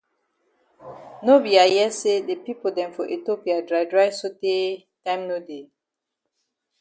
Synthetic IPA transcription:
no˦bi˨a˨jɛ˦se˦de˨pi˦po˨dɛ̃˨mfɔ˨ʔe˨to˦pi˨a˨dɹa˨ɪdɹa˦ɪso˦te˦ | tã˦j̃mno˦de˨

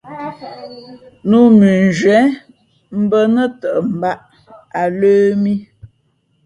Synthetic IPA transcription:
nu˦mʉ˨n˨d͡ʒɥɛ˨˦ | m̩˦bə˦nə˦tə˨ʔm̩˨ba˦ʔ | a˨ləː˦mi˦

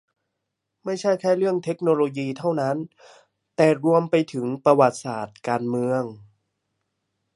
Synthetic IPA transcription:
ma˥˩jt͡ɕʰa˥˩jkʰɛː˥˩ɾɯ˥˩əŋt̪ʰe˦˥k̚noː˧loː˧jiː˧t̪ʰa˥˩wna˦˥n | t̪ɛː˨˩ɾu˧əmpa˧jt̪ʰɯ˩˦ŋpɾa˧wa˨˩t̪̚saː˨˩t̪̚kaː˧nmɯ˧əŋ

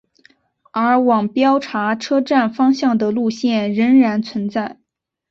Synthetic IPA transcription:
ə˞˧˥wɑ˨˩ŋpjɑ˥ʊʈ͡ʂʰa˧˥ʈ͡ʂʰɤ˥ʈ͡ʂa˥˩nfɑ˥ŋɕjɑ˥˩ŋd̪ə˩lu˥˧ɕjɛ˥˩nɻə˧˥ŋɻa˧˥nt͡sʰwə˧˥nt͡sa˥˩ɪ

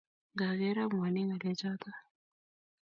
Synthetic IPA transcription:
ɡa˨ɣe˦ɾa˦mwa˨ni˦ŋa˨le˦t͡ʃa˦t̪a˦

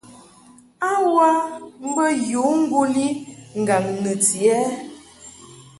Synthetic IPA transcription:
a˦wa˦m̩˦bə˦ju˨˦ŋ̩˦ɡu˦li˦ŋ̩˨ɡa˨ŋnə˨t͡si˨ɛ˦

